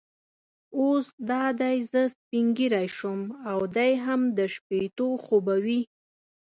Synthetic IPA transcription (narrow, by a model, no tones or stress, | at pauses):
osd̪ɑd̪ajzəspiŋɡiɾajʃʊmawd̪ajɦamd̪əʃpet̪oxobawi